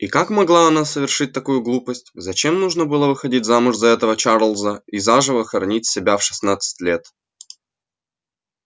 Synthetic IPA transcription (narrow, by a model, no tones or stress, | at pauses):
ikakmɐɡlˠaɐnasəvʲɪrʂɨt̚ʲt̪ɐkujʊɡlˠupəsʲtʲzɐt͡ɕe̞mnuʐnəbɨlˠəvɨxɐdʲitʲzamʊʐzɐɛt̪əvət͡ɕaɾlˠzəizaʐɨvəxəɾɐnʲitʲsʲɪbʲafʂɨ̥snat̪sɨ̥tʲlʲe̞t̪